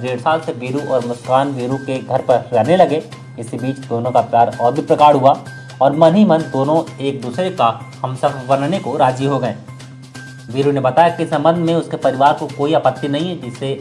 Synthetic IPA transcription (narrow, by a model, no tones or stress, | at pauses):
d̪eːɽsaːlseʋiːɾuʔɔːɾmʊskaːnʋiːɾukeɡʱɐɾpɐɾɾɛːnelɐɡe | ɪsibiːt͡ʃd̪oːnõkapjaːɾɔːɾbʱipɾɐkaːɽɦua | ɔːɾmɐnɦimənd̪oːnõeːk̚d̪uːsɾekahɐmsɐbʋɐnnekoɾaːd͡ʒiɦoɡɐẽː | ʋiːɾunebɐt̪aːjakisɐ̃mbə̃nd̪ʱmẽʊskepɐɾɪʋaːɾkokoːiɐpət̪ːinɐɦĩɦɛd͡ʒɪsːe